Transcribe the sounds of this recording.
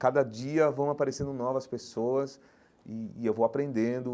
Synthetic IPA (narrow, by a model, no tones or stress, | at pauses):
kad̪ɐd͡ʒiɐvɐ̃w̃apaɾesẽnd̪ʊnɔvɐspesoɐs | ɪːewvowapɾẽnd̪ẽnd̪ʊ